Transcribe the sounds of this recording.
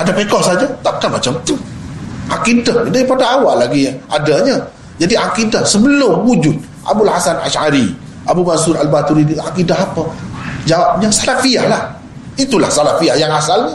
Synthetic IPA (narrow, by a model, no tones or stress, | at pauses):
adapekɔhsad͡ʒat̪ap̚kanmat͡ʃamt̪uʔakidahadaipadaawaʔlaɡiadaɲa | d͡ʒadiakidahsəbəlʊmwud͡ʒʊt̪̚ | ʔa̰bulhasana̰ʃaɾi | ʔabumasuɾalbat̪uɾidiakidaɦapəd͡ʒawap̚jaŋsalafiahlah | it̪ula̰hsalafiahjaŋasalɲə